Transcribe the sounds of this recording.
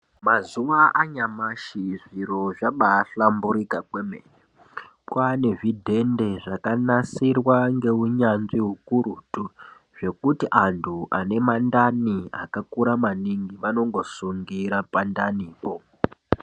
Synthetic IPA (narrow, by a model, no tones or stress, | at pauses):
mazuʋaʔaɲamaʃiʐiɾo̞ʐaɓaːɬambuɾikakwemḛɲe | kwane̞ʐidʱe̞nde̞ʐakanasirwaŋɡe̞ɦuɲanʐiɦukuɾutu | ʐ̥e̞kutiʔantʰuʔa̰ne̞mandania̰kakuɾamaniŋɡiʋano̞ŋɡo̞suŋɡiɾapandaniːko